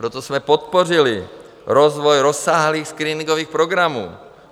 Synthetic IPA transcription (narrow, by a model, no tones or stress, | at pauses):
ɾɛt̪ɔz̥mɛpɔt̪̚pɔrili | ɾɔzʋɔjɾɔsːaːɦliːxskɾiːniŋɡɔʋiːxpɾɔɡɾamṵː